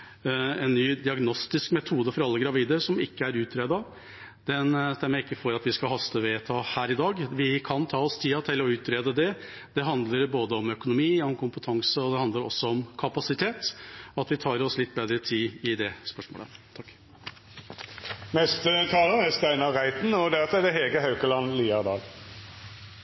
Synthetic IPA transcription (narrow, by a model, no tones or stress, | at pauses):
ɛnːyːd̪ɪɑɡnɔst̪ɪskmɛt̪ʰuːd̪əfɔɾɑlːəɡɾɑʋiːd̪əsɔmɪkːəæɾʉːt̪ɾeːd̪ɑ | d̪̥ɛnt̪ʰæɾmɛɪkːəfɔɾɑt̪ʋɪskɑhɑst̪əʋeːt̪ʰɑːhæːɾɪd̪ɑːɡʋɪkʰɑnt̪ʰɑːɔst̪ʰiːɑt̪ʰɪlɔʉːt̪ɾeːd̪əd̪ɛ | d̪̥ɛɦɑnd̪ləɾboːd̪əɔmœkʊnʊmiːɔmkʊmpət̪ʰɑŋsəɔd̪ɛhɑnd̪ləɾɔ̰sːɔɔmkʰɑpɑsɪt̪ʰeːt̪ɔɑt̪ʋɪt̪ʰɑːɾɔslɪt̪ːbeːd̪ɾət̪ʰiːɪd̪ɛspœʂmo̰ːlə̰t̪ʰɑkː | mɛst̪ət̪ʰɑːləæst̪æɪnɑʁæɪt̪n̩ɔd̪æt̪ɛd̪ɛɦeːɡəɦɑʉkəlɑnliːɑd̪ɑ̰ːl